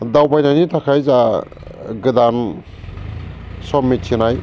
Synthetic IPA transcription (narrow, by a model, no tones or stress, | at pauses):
dawbajnanitʰakʰajza | ɡɯdan | sɔmːiinaj